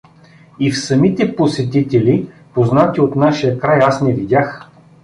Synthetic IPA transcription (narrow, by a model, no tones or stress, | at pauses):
ifsɐmit̪ɛposɛt̪it̪ɛlʲi | poznat̪ʲiot̪naʃijəkɾajasnɛvid̪ʲax